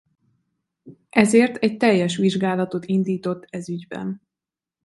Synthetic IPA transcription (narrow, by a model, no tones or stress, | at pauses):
ʔɛzeːrt̪ʰɛc̚t̪ɛjːɛʃ̬ʋiʒɡaːlɒt̪o̞t̪ind̪iːt̪o̞t̪ːɛzyɟbɛ̰n